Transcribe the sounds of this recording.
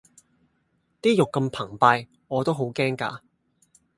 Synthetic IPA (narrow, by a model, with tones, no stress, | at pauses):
t̪iː˥jʊ˨kːɐ˧mpʰɐ˨˩ŋpaː˧j | ŋɔː˨˧t̪o˥wɦo˨˥wkɛː˥ŋka̰ː˧